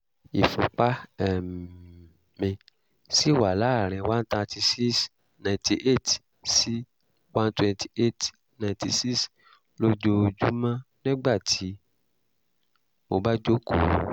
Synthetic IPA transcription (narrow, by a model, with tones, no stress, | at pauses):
ḭ˨fũ˨k͡pa˦ɛ˦˨m | mĩ˧ | si˦˨wa˨la˨˦˨ɾ̃ɛ̃˨wã˦n˦tã˧ti˧si˦s | nã˨ti˧ʔe˦˨t | si˦ | wã˦n˦twɛ̃˧nti˨ʔe˦˨t | nã˧ti˧si˦s | lo˦d͡ʒo˧˦˧d͡ʒu˦mã˦nĩ˦ɡ͡ba˦˨tʰi˨˦ | mo˧ba˦d͡ʒo˦ko̰˦˨